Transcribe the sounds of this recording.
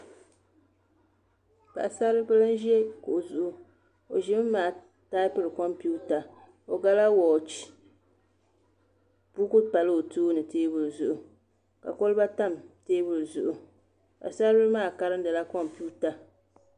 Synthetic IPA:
pa̰˨a˨sa˦ɾɨ˦bɨ˦lɨ˦n˦ʒi˦ɛ˦ko˨ʔʊ˨zʊ˨ʔʊ˦ | o˨ʒɪ˦m˦mːaː˨ | ta˦ɪ˦pɨ˦ɾɨ˨kɔ˦mpu˦ta˨ | o˨ɡa˦la˦wɔ˨t͡ʃi˨ | pu˦kʊ˦pa˨lɨ˦o˨tuː˦nɨ˨teː˦bʊ˨lzʊ˨ʔʊ˨ | ka̰˨ko˦lba˦ta˦˨mteː˦bʊ˨lzʊ˨ʔʊ˨ | ka̰˨sa˦ɾbɨ˦lmaː˦˨ka˦ɾɨ˦ndɨ˨la˦kɔ˦mpuː˦ta˨

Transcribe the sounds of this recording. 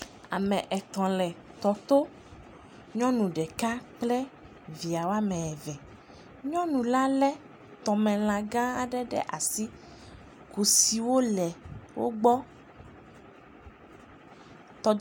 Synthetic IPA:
a̰˨mɛ̃˨ʔɛ˨t̪ɔ̃˨lɛ˨ | t̪ɔ˨t̪o˦ | ɲɔ̃˦nũ˨ɖɛ˨ka˦k͡plɛ˦ | vi˨a˨wo˦a˦mɛ̃˨ɛ˨vɛ˨ | ɲɔ̃˦nũ˨la˦lɛ˦ | t̪ɔ˨mɛ̃˨l̃ã˨ɡã˦a˨ɖɛ˦ɖɛ̰˦ʔa˨si˦ | ku˨si˨wo˦lɛ˨wʔo̰˦ɡ͡bɔ˦ | t̪ɔ˨

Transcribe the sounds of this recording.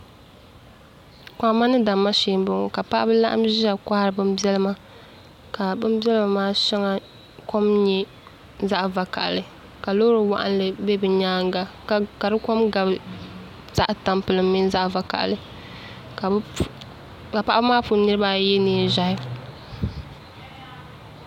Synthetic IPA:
kʷa˨˦ma˦nɨ˦da˨mːa˦ʃeː˨˦m˦bɨ˦ŋo̰˨ka˨pa˦ʔa̰˦bɨ˦la˦ʔa̰˦mʒa˨kʷa˦hɾɨ˨bɨ˦mbi˦ɛ˦lɨ˦ma˦ | ka˨bɨ˦m˦bɛ˦lɨ˦ma˨maː˦ʃɛ˦ŋa˦ | ko˦mɲɛ˦ | za˦ʔva˨ka̰˨ʔlɨ˨ | ka˨lo˦ɾɨ˨wa̰˨ʔa̰˦n˦lɨ˨be˦bɨ˨ɲaː˦ŋɡa˨ | ka˨ɾɨ˦ko˦mɡa˨b | z̥a˦ʔta˨mpɨ˨lɨ˨mːi˦n˦za˦ʔva˨ka̰˨ʔlɨ˨ | ka˨˦ | ka˨pa˦ʔa˦bɨ˦maː˦pu˨˦nɨ˦ɾɨ˦ba˦jɛ˦niː˨˦ʒa˨jɪ˦

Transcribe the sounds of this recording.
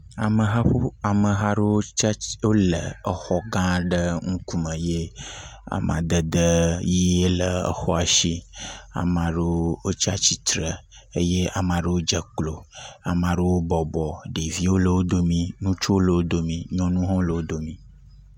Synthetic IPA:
a̰˨mə˨ɦa˦ɸu˦a˨mə˨ɦa˦ɖə˦wo˦t͡ʃwo˦lə˨ə˨xɔ˦ɡã˦ɖə˦ŋũ˦ku˦mə̃˨je˦a̰˨mã̰˨d̪ə˨d̪ə˦ji˦e˦lə˨ə̰˨xɔ˦a˨ʃi˦a̰˨m˨ã˨ɖə˦wo˦t͡ʃa˦t͡ɕi˦t̪ɾə˨ | ə˦je˦a˨mã˨ɖə˦wo˦d͡ʒə˨k͡plo˨a̰˨m˨ã˨ɖə˦wo˦bɔ˨bɔ˨ɖe˨vi˦wo˦lə˨wo˦d̪o˦mĩ˨nũ˦t͡ʃo˦wo˦lə˨wo˦d̪o˦mĩ˨ɲɔ̃˦nũ˦ɦɔ̃˦lə˨wo˦d̪o˨mĩ˨

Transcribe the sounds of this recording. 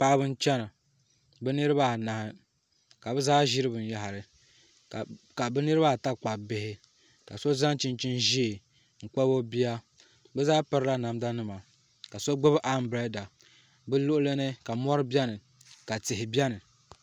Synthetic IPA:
pa˦ʔa˦bɨ˦n̩˦t͡ʃɛ˦na˨ | bɨ˦nɨ˦ɾɨ˦ba˦˨na˨hɪ˨ | ka˨bɛ˦zaː˦ʒi˦ɾɨ˦bɨ˨n˦ja˨ɦa˨ɾɨ˨ | ka˨bɨ˦nɨ˦ɾɨ˦ba˦˨ta˦k͡pa˨bɪ˨hɪ˦ | ka˨so˦za˦n˦t͡ʃi˦nt͡ʃi˦nʒi˦e˨ | ŋ̩˨k͡pa˦bo˦bi˦a˦ | bɛ˦zaː˦pɨ˦ɾɨ˦la˦na˨mda˦nɨ˦ma˨ | ka˨so˦ɡ͡bɨ˦bʔa˦m˦bɾɛ˦da˨ | bɨ˦lʊ˦ʔʊ˦lɨ˦nɨ˦ka˨mɔ˦ɾɨ˦bjɛ˦nɨ˨ | ka˨tɪ˨ɦɪ˨bjɛ˦nɨ˨

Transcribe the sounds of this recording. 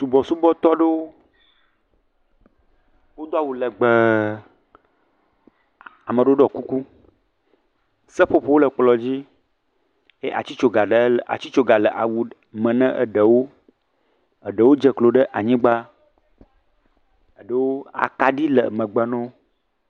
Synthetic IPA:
su˨bɔ˨su˦bɔ˦t̪ɔ˦ɖə˦wo˦ | wo˦d̪o˦a˦wu˨lə˨ɡ͡bə˨ | a˨mə˨ɖo˦o˦ɖɔ˨ku˦ku˦ | sə˦ɸo˦ɸo˦wo˦lə˨k͡plɔ˨d͡ʑi˦ | e˦ʔa̰˨t͡ɕi˦t͡ʃo˨ɡa˨ɖə˨˦lʔa̰˨t͡ɕi˦t͡ʃo˦ɡa˨lə˨ʔa˨wu˨ | mə̃˨nɛ̃˦ʔə̰˦ɖə˨wo˦ | ə˨ɖə˨wo˦d͡ʒə˦klo˨ɖə˦ʔa˨ɲĩ˦ɡ͡ba˦ | ə˨ɖə˦wo˦a̰˨ka˨ɖi˦lə̰˨mə̃˨ɡ͡bə˨nɔ̃˦

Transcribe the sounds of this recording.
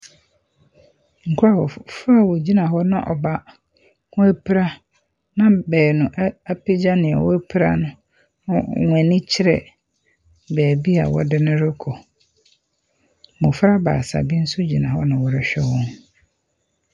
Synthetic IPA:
ŋ̩˨kʰʊ˦ɾa˨wɔ˨fa˦˨wɔ˨d͡ʑi˦nã˨hɔ˦nã̰˦ʔɔ̰˨ba˦ | kʰʊ̃˦æ˦pʰi˦ɾa˦ | nã˦bɛː˨nʊ̃˨ʔa˦pʰe˦d͡ʑa˦nɪ̃˨ɛ̰˨wɔ̰˦æ˦pʰi˦ɾa̰˦nʊ̃˦ | ʊ̃˦˨ŋʷɛ̃˨nĩ˦t͡ɕʰɪ˦ɾɛ̰˨ | bɛː˨bi˦a̰˨wɔ̰˦dɪ˦nʊ̃˦ɾɪ˦kʰɔ˨ | mʊ̃˨fɾa˦ba̰ː˨sa̰˨bi˦n̩˦sʊ˦d͡ʑi˨nã˨hɔ˦nã˨wɔ˨ɾɪ˦ɕᶣɛ˦wɔ̃˦n

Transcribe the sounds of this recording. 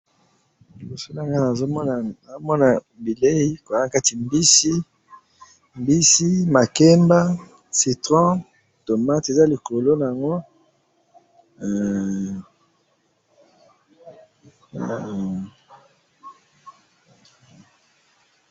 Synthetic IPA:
i˨bo˨so˦la˦˨ŋɡa˦na˨zo˦mɔ˦na˨na˨zo˦mɔ˦na˨ | bi˨le˦i˦ko˨˦˨ka˦ti˨mbi˦si˦ | mbi˦si˦ma˨ke˦mba˦ | si˨tʁɔ̃˦ | to˨ma˦te˨za˦li˨ko˨lo˦na˨ja˨ŋɡo˦˨

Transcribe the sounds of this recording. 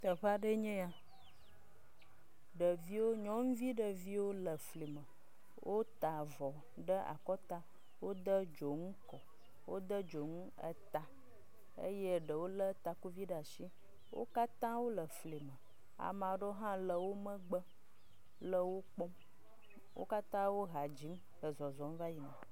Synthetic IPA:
t̪ə˨ɸa˦ɖə˦ɲɛ̃˦a˨ | ɖə˨vi˦wo˦ɲɔ̃˦ŋ̩˦vi˦ɖə˨vi˦wo˦lə˨fli˨mə̃˨ | wʔo˦t̪a˨vɔ˨ | ɖə˦ʔa̰˨kɔ˦t̪a˦ | wo˦d̪ə˦d͡ʒo˨ŋũ˦kɔ˨ | wo˦d̪ə˦d͡ʒo˨ŋu˦ə̰˦t̪a˨ | ə̰˦je˦ɖə˨wo˦lə˦t̪a˨ku˦vi˦ɖa˨ʃi˦ | wʔo̰˦ka˦t̪ã˦wo˦lə˨fli˨mə˨ | a̰˨m˨ã˨˦ɖo˦ɦã˦lə˨wo˦mə̃˦ɡ͡bə˦ | lə˨wo˦k͡pɔ˦m | wʔo̰˦ka˦t̪ã˦wo˦ɦa˨d͡ʑi˦m | xə˨zɔ˨zɔ˨m˦va˦ji˨nə˨

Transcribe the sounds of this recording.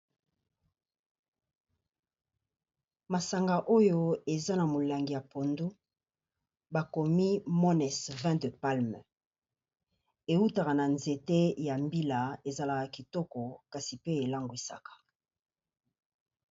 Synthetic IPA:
ma˨sa˨ŋɡa˨ʔo˦jo˦e˨za˦na˨mo˨la˨ŋɡi˨ja˨po˨ndu˦ | ba˨ko˨mi˦mɔ˦nɛ˨svɛ̃˦də˨pa˦lm˨ | e˨u˦ta˨ka˨na˨nze˨te˦ja˨mbi˦la˨e˨za˨la˨ka˨ki˨tɔ˦kɔ˨ka˨si˨pe˦e˨la˦ŋɡo˨e˨sa̰˦kḁ˨

